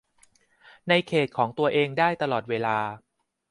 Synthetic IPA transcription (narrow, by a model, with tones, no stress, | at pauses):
na˧jkʰeː˨˩t̪̚kʰɔː˩˦ŋt̪u˧ɐʔeː˧ŋdaː˥˩jt̪a˧lɔː˨˩t̪̚weː˧laː˧